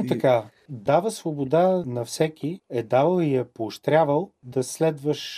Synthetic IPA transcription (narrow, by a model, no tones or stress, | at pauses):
t̪ɐka | d̪avəsvobod̪anɐfsɛkʰʲiɛd̪avəlˠijɛpoːʃt̪ɾʲjavəlˠd̪ɐslɛd̪vəʃ